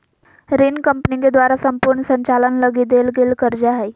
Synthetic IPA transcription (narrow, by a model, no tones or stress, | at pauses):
ɾinkəmpniŋɡed̪ʋaɾasəmpuɾɳəsəɲt͡ɕalənləɡid̪elɡelkəɾd͡ʑaɦaj